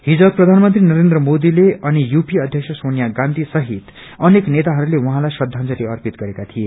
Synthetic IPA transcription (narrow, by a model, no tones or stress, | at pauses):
hid͡zʌb̚pːrʌd̪ʱanmʌnt̪rinʌɾend̪rʌmod̪ileʌnijupiʌd̪ʱjʌksʰʌsonjaɡãnd̪ʱisʌɦit̪ | ʌneknet̪aɦʌɾulewʌɦãlajsʌd̪ʱːãnd͡zʌɾiʌrpit̪ɡʌɾekat̪ʰije